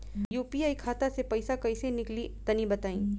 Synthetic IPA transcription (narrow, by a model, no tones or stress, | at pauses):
juːpiaːikʰaːt̪asepɐɪsakɐɪsenɪklit̪ɐnĩbɐt̪aːĩː